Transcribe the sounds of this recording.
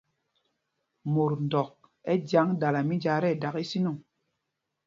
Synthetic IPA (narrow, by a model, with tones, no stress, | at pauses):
mo˨ɾndɔ˨k̚ | ɛ˦dja˨˦ŋda˨la˨mi˦d͡ʒa˨˦ɾɛ˦˨da˨ki˦si˦nu˦˨ŋ